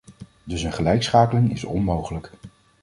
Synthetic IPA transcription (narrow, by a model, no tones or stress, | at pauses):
dɵsənχəlɛjksχaːkəlɪŋɪ̰sɔ̰nmowχələk